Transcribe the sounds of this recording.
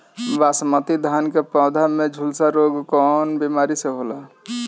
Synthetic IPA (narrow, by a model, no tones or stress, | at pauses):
basmət̪id̪ʱankepɔ̃ːd̪ʱamed͡ʒʱulsaɾoɡkɔːnbimaːɾiseɦola